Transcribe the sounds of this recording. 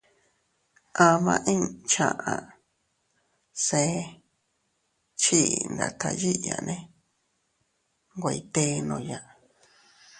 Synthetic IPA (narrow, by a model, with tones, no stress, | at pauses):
ʔã˧mã̰˧ʔĩ˦t͡ʃã˧ʔã˨ | se˧˦ | t͡ʃi˦˨nd̪a̰˨t̪ʰa˧ji˦ja̰˨nʔẽ˦ | ŋɡʷa˧˨i˧t̪e˦nõ˧˨ja˨ʔ